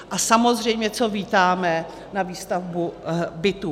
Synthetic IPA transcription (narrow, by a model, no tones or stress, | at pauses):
ʔasamo̞zr̝ɛjmɲɛt͡so̞viːt̪aːmɛ | naviːst̪avbubɪt̪u